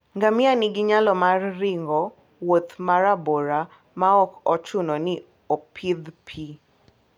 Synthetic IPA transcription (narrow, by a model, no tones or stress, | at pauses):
ŋɡamɪanɪɡɪɲalɔmarːɪŋɡɔ | wot̪maɾaboɾa | maɔkɔt͡ʃʊnɔnɪ | ɔpʰɪd̪pʰi